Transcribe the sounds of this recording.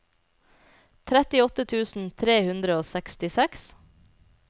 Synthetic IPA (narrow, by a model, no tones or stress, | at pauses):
t̪ʰɾæt̪ɪɔt̪ət̪ʰʉːsn̩t̪ʰɾeːhʉnd̪ɾəoːsɛkst̪ɪsɛks